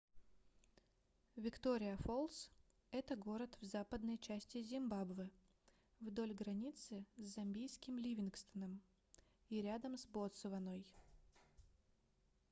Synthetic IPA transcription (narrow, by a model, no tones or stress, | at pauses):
vʲɪkt̪o̞ɾʲɪjəfolˠs | ɛt̪əɡo̞ɾət̪vzapəd̪nəjt͡ɕæsʲtʲɪzʲɪmbabvɨ | vd̪o̞lʲɡɾɐnʲit̪sɨzzɐmʲbʲijskʲɪmlʲivʲɪnkst̪ənəm | iɾʲad̪əmsbot̪sɨvɐnoj